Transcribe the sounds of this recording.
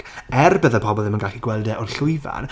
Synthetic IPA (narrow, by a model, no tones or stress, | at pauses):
ɛrbəðəpʰɔbɔlˠðɪmənɡaχiɡwɛlˠdɛʔɔrɬʊɨva̰n